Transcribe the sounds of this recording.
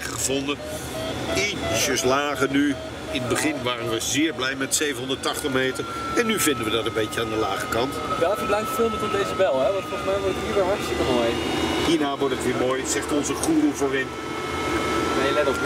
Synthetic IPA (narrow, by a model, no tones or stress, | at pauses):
χəvɔndə | it͡ʃəslaːχəny | ɪnəbəχɪnʋaːrənʋəzɪːɹblɛjmɛtsejvənɦɔndətɑχtəχmejtəɹ | ɛnːyvɪndəʋədɑtə̃mbejcəaːndəlaːχəkɑntʋɛlˠkəblɛjŋtfɪlˠmətɔdejzəbɛlˠɦɛʋɑntfɔlˠsmɛjʋɔɹtətiːɹɾəɦɛksəkəmojɦiːɹnaːʋɔɹtətʋiːmoːjsɛχtɔnzəχuːrəvoːrɪn | eɛ